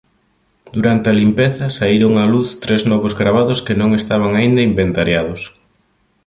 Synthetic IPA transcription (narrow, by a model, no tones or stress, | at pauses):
d̪̥uɾant̪ɪɐlimpeθɐsaiɾoŋaluθt̪ɾeznɔβʊzɣɾaβ̞aðʊskɪnõŋest̪aβ̞aŋaind̪ɐimbent̪aɾjaðʊs